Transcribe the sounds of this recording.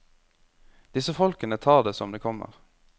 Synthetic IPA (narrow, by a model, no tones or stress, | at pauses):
d̪̥ɪsəfɔlkənət̪ʰɑːʁd̪eːsɔmd̪eːkʰɔmə̰ʁ